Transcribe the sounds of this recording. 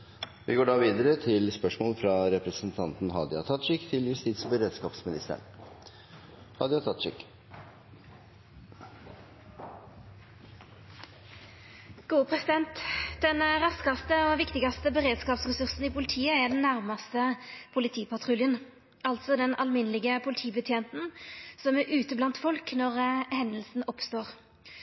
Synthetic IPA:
ʋʔɪ̰ɡoːɖɑːʋiːd̪əɾət̪ʰɪlspœʂmoːlfɾɑɾɛpɾəsn̩t̪ʰɑnt̪n̩hɑ̰ːd̪ɪɑt̪ʰɑt̪ʂɪkt̪ʰɪljʉst̪it̪sbəɾeːd̪skɑːpsmɪnɪst̪ə̰ɳ | hɑ̰d̪jɑt̪ʰɑt̪ʂɪ̰k | ɡ̥uːəpʰʁɛsɪd̪ɛnt̪d̪ɛnʁɑskɑst̪əoːʋɪkt̪ɪɡɑst̪əbəʁeːd̪skɑːpsʁɛsʉʁsn̩iːpʰʊlɪt̪ʰiːəæd̪ɛnːæʁmɑst̪əpʰʊlɪt̪ʰiːpʰɑt̪ʰʁʉljən | ɑlt̪sɔd̪ɛnɑlmɪnəlɪɡəpʰʊlɪt̪ʰiːbət̪ʰjeːnt̪n̩sɔmæɾʔʉːt̪əblɑnt̪fɔlknɔʁhɛnəlsn̩ɔpst̪oːʁ

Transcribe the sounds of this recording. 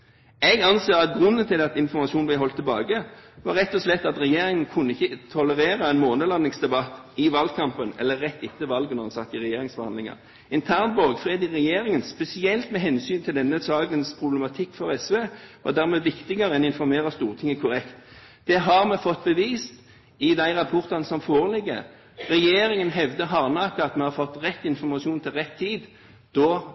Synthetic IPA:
ɛɡɑnseːʁɑt̪̚ɡʁʉnːənt̪ɪlɛɑt̪ɪnfɔɾmɑʃuːnblæɪɦɔlt̪ʰːɛlbɑːɡəʋɑɾɛt̪ːɔslɛt̪ːɑt̪ʁɛjeːɾɪŋənkʰʉnːəɪçːət̪ʰɔləɾeːʁɑɛnmoːnəlɑnːɪŋsd̪ɛbɑt̪ːɪʋɑld̪̚kʰɑmpənɛ̰lːəːɛt̪ːɪt̪ːəʋɑlɡənɔʁɑnsɑt̪ːɪʁɛjeːɾɪŋsbəhɑnd̪lɪŋɑ̰ | ɪnt̪ʰæːʁnbɔʁɡfʁeːd̪ɪʁɛjeːɾɪŋənspɛsɪɛlt̪mɛɦɛnsyːnt̪ʰɪld̪ɛnːəsɑːɡənspʰʁʊblɛmɑt̪ʰɪkːfɔʁɛsʋeːʋɑ̰ʁd̪æʁmeːʋɪkt̪ɪɡəɾəɛnɪnfɔɾmeːɾəst̪uːʁt̪ʰɪŋːəkʰʊɾɛkt̪ | d̪̥ɛɦɑʁmɛfɔt̪ːbəʋiːst̪ | ɪd̪æɪʁɑpʰɔʁt̪ɑnəsɔmfoːɾəlɪɡːə̰ | ɾɛjeːɾɪŋənɦɛʋd̪əɦɑʁnɑːkəɑt̪mɛhɑfɔt̪ːʁɛt̪ːɪnfɔʁmɑsɪuːnt̪ʰɪlʁɛt̪ʰːiːd̪ | d̪̥ɔ

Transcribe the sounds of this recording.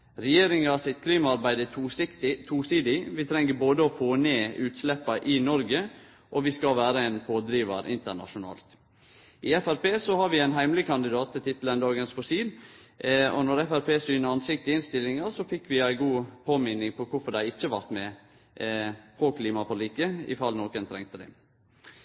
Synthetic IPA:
ɾɛjeːɾɪŋɑsɪt̪kʰliːmɑɑɾbæɪd̪ət̪ɪt̪ʰuːsiːd̪ɪʋɪt̪ʰɾɛŋːəboːd̪əɔfoːneːʉːt̪slɛpːɑʔɪnɔɾɡə | ʔɔʋɪskɑʋæːɾəæɪnpʰoːd̪ɾiːʋɑ̰ɾɪ̰nt̪əɳɑ̰ʂʊnɑ̰ːlt̪ | ʔɪɛfæɾpeːsɔhɑɾʋɪæɪnɦæɪmlɪkʰɑnd̪ɪd̪ɑːt̪ʰːɪlt̪ʰɪt̪ːlɛnd̪ɑːɡənsfɔsiːl | ɔ̰nɔɾɛfæɾpʰeːsyːnəɾɑnsɪk̚t̪ɪɪnst̪ɪlːɪŋəɾsɔfɪkːʋɪæɪɡuːpʰoːmɪnːɪŋpʰɔkʰʊfɔd̪æɪɪt͡ʃːəʋɑɾt̪mɛ | pʰɔkʰliːmɑfɔɾɭiːkːəɪ̰fɑlnoːkənt̪ʰɾɛ̰ŋt̪əd̪æ̰

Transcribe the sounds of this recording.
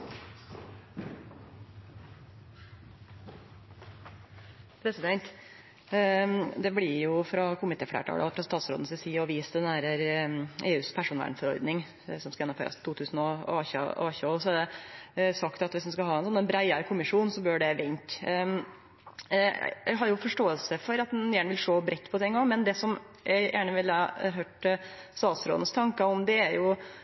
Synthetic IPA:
pʰɾɛsɪd̪ɛnt̪ | d̪ɛblɪɾjʊfɾɑkʰʊmɪt̪ʰeːflḛːʈʰɑ̰ːlə̰ɔfɾɑst̪ɑːt̪sɾo̰ːd̪nəsɪsiːɔʋiːsd̪ɛnæɾə | eːʉːspʰæʂuːnʋæ̰ːɖɳfɔɾɔ̰ɾd̪nɪŋ | sɔmskɑjɛnːmfø̰ːɾɑ̰st̪ʰuːt̪ʰʉːsn̩ɔɑːç̰ɑːçəɔsɔæɖɛsɑkt̪ɑt̪ʋɪsd̪ɛnskɑlɦɑːɛnsɔnːɛnbɾæɪɑɾkʰʊmɪʂuːnsɔbøːɖɛʋɛnt̪ | j̰ɡɦɑɾjʊfɔʂʈoːəlsəfɔɾɑt̪jæːɳəʋɪlʂɭoːbɾʔɛt̪ːpʰɔt̪ʰɛŋːɑmɛnd̪ɛsɔm | jʔæɪjʔæːɳəʋɪlɑɑɾɦøːʈst̪ɑːt̪sɾo̰ːd̪n̩st̪ʰɑŋkəɔmd̪ɛæɾjʊ

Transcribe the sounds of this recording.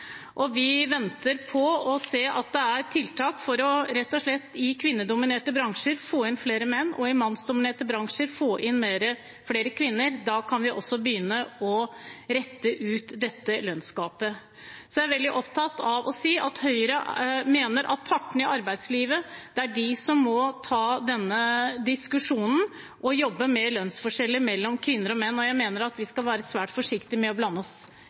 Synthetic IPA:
ʔɔʋɪʋɛnt̪əɾpʰɔɔseːʔɑt̪̚d̪ɛæɾt̪ʰɪlt̪ʰɑːkfɔɾɔɾɛt̪ːɔʂɭɛt̪ːɪkʰʋɪnːəɖ̪ʊmɪneːʈəbɾɑŋʂəɾfoːɪnfleːɾəmɛnːɔɪmɑnsd̪ʊmɪneːʈəbɾɑŋʂəɾfoːʔɪnmeːɾə | fleːɾəkʰʋɪnːəɾd̪ɑːkʰɑnʋɪʔɔ̰sːɔbəjʏnːəɔɾɛt̪ːəʔʉːt̪d̪ɛt̪ːəlœnskɑːpə | sɔjææɾʋɛld̪ɪʔɔpt̪ʰɑt̪ɑʋʔɔsiːʔɑt̪hœʏɾəmeːnəɾʔɑ̰t̪̚pʰɑʈːɳ̩ɪʔɑɾbæɪd̪sliːʋəd̪̥ɛæɖɪsɔmːɔt̪ʰɑːd̪ɛnːəd̪ɪskʉʂuːnn̩ | ʔɔjɔbːəmɛlœnsfɔʂɛlːəmɛlːɔmkʰʋɪnːəɾɔmɛnːɔjæɪmeːnəɾɑt̪ʋɪskɑlʋæːɾəsʋæːʈfɔʂɪkt̪ɪmɛɔblɑnːəɔs

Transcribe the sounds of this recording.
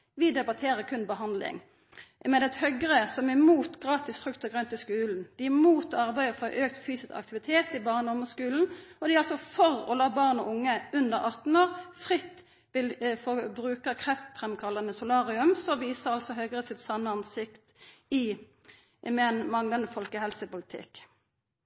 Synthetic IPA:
ʋɪd̪ɛbɑt̪ʰeːʁəkʰʉnbəɦɑnd̪lɪ̰ŋ | mɛd̪ɛt̪hœɡʁəsɔmæmuːt̪ɡʁɑːt̪ɪsfʁʉkt̪ɑɡʁœnt̪ɪskʉːln̩d̪̥ɪæmuːt̪ɔɑʁbæɪəfɔʔøːk̚t̪fyːsɪskɑ̰kt̪ɪʋɪt̪ʰeːt̪ɪbɑːʁnɔʊməskʉːln̩ɔd̪ɪʁɑlsɔfɔʁɔ̰lɑːbɑːʁnɔʔʊŋːəʉnd̪əʁɑt̪n̩oːʁfʁɪt̪ː | ʋɪlfɔbʁʉːkəkʰʁɛft̪pʰʁɛmkʰɑlːɑnəsʊlɑːʁɪʉmsɔʋiːsəʁɑlsɔɦœɡʁəsɪt̪sɑnːəɑnsɪkt̪ɪ | mɛɛnmɑŋlɑnd̪əfɔlkəhɛlsəpʊlɪt̪ʰɪ̰k

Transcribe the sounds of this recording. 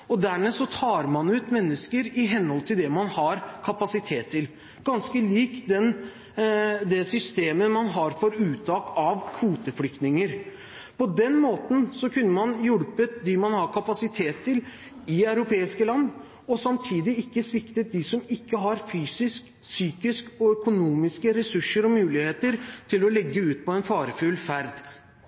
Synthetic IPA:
ɔd̪æmɛsɔt̪ʰɑːɾmɑnʉːt̪mɛnːəskəɾɪɦɛnhɔlt̪ʰɪld̪ɛmɑnhɑɾkʰɑpɑsɪt̪ʰeːt̪ʰːɪl | ɡɑnskəliːkd̪ɛn | d̪ɛsʏst̪eːməmɑnɦɑɾfɔɾʉːt̪ʰɑːkɑʋkʰuːt̪əfɽʏk̚t̪nɪŋəɾ | pʰɔd̪ɛnmoːt̪n̩sɔkʰʉnːəmɑnjʊɽpət̪̚d̪ɪmɑnhɑɾkʰɑpɑsɪt̪ʰeːt̪ʰːəl | ɪɑʉɾʊpʰeːɪskəlɑnːd̪ | ɔsɑmt̪ʰiːd̪ɪɪkːəsʋɪkt̪ət̪̚d̪ɪsɔmɪkːəɦɑɾfyːsɪsk | syːkɪskɔœkʊnuːmɪskəɾɛsʉʂːəɾɔmʉːlɪheːt̪əɾt̪ʰɪlɔlɛɡːəʉːt̪̚pʰɔɛnfɑːɾəfʉlfæɾd̪

